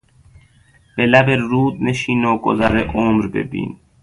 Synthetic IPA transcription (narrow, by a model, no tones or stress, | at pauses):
b̥elæbeɾuːd̪neʃiːnoːɡo̰zæɾeʔoːmɾbḛbḭːn